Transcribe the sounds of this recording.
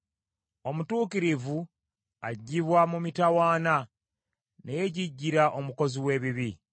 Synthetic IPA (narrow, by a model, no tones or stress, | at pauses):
o̞mutuːkiɾivu | aɟːiβwamumitawaːna | nejeɟiɟːiɾaʔo̞muko̞ziwe̞ːβiβi